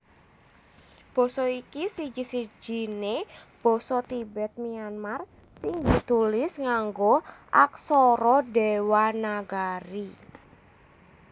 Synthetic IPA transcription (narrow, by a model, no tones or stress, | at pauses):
b̥ɔ̤sɔikisid͡ʒi̤si̥d͡ʒ̥i̤neb̥ɔ̤sɔt̪ibɛt̪̚mianmar | sɪŋd̪i̤t̪ulɪsŋaŋɡoʔaksɔɾɔdewanaɡaɾi